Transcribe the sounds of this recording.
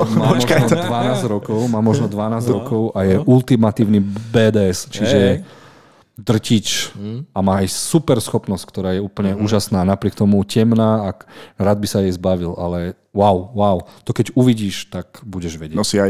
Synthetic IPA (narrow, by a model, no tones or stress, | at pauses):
mmaɔmɔkd̪ʋanaːzɾɔkɔʊmaːmɔʒnɔd̪ʋanaːzɟɾɔkɔʊʔajɛʔult̪imat̪iːʊnibɛːd̪ɛːɛst͡ʃiʒɛ | d̪r̩cit͡ʃamaːajsupɛɾsxɔpnɔsc̚kt̪ɔɾaːjɛuːpl̩ɲɛuːʒasnaːnapɾɪɛk̚t̪ɔmucɛmnaːaɾaːd̪̚bisajɛjzbaʋilʔa̰lɛ | waʊːaʊt̪ɔkɛɟuʋiɟiːʃt̪akbuɟɛʒʋɛɟɛnɔsia